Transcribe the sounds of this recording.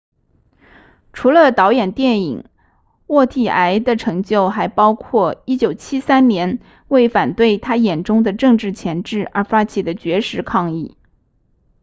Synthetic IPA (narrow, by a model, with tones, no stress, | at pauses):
ʈ͡ʂʰu˧˥lə˧t̪ɑ˧˥ʊjɛ˨˩nt̪jɛ˥˩ni˨˩ŋ | wɔ˥˧t̪ʰi˥˩ʔa˧˥ɪd̪ə˨ʈ͡ʂʰɤ˧˥ŋt͡ɕjo˥˩ʊxa˧˥ɪpɑ˥ʊkʰwɔ˥˩i˥t͡ɕjo˨˩ʊt͡ɕʰi˥sa˥nnjɛ˧˥n | we˥˩ɪfa˨˩nt̪we˥˩ɪt̪ʰa˥jɛ˨˩nʈ͡ʂʊ˥ŋd̪ə˨ʈ͡ʂɤ˥˧ŋʈ͡ʂɻ̩˥˩t͡ɕʰjɛ˧˥nʈ͡ʂɻ̩˥˩ə̰˞˧˥fa˥t͡ɕʰi˨˩d̪ə˦t͡ɕɥɛ˧˥ʂɻ̩˧˥kʰɑ˥˧ŋi˥˩